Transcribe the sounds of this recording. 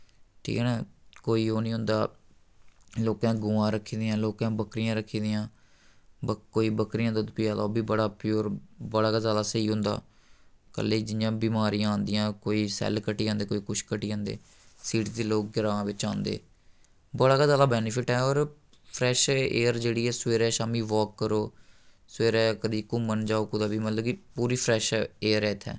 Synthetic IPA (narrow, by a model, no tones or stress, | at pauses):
ʈʰḭːkɛːnaːkoːiːoːnĩːɦʊ̃nd̪aː | loːkãːɡʊːãːɾəkʰːiːd̪ɪjãːloːkãːbəkɾɪjãːɾəkʰːiːd̪ɪjãː | bəkoːiːbəkɾɪjãːd̪ʊt̪piːaːd̪oːbiːbəɽaːpjuːɾbəɽaːkazjaːd̪aːsəiːɦʊ̃nd̪a̰ː | kə̰lːeːd͡ʒɪjãːbiːmaːɾijãːõːnd̪ɪjãːkoːiːsɛ̰ːlkəʈiːãːnd̪eːkoːiːkʊʃkəʈiːãːnd̪ḛː | siːʈd̪eːloːk̚ɡɪɾãːʋɪt͡ʃãːnd̪ḛː | bəɽaːkaːzjaːd̪aːbɛːnɪpʰɪʈɛːɔːɾ | pʰɾɛːʃeːəɾd͡ʒeːɽiːɛːsʋeːɾɛːʃaːmiːʋɔːkːəɾoː | seːɾɛːkəd̪iːkuːmənd͡ʒaːoːkʊd̪aːbiːmət̪ləbkɪpuːɾiːpʰɾɛːʃeːəɾɛːɪt̪ʰːɛ̰ː